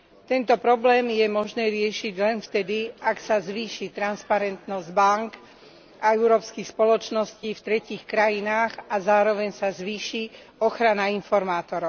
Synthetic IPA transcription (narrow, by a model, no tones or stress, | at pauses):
t̪ɛnt̪ɔpɾɔblɛːmjɛmɔʒnɛːɾɪɛʃiɟlɛnft̪ɛd̪iaksazʋiːʃit̪ɾanspaɾɛnt̪nɔzɟbaŋk | aɛʊɾɔːpskixspɔlɔt͡ʃnɔsciːft̪ɾɛciːxkɾajinaːɣazaːɾɔʋɛɲsazʋiːʃi | ɔxɾanainfɔɾmaːt̪ɔɾɔʊ